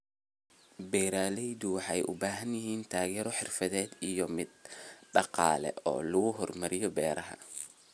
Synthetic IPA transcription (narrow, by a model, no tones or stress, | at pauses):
bɛːɾaːlɛjd̪ʊwɑħɑ̰jʔʊbaːɦɐnjɪɦiːnt̪ʰaːɣɛːɾɔħɪrfɐðɛːd̪ijɔmɪd̪ɖɑqɑ̰ːlɛ̰ʔɔ̰ːlʊɣʊɦɔrmɐɾɪjɔbɛːɾɐɦɐ̰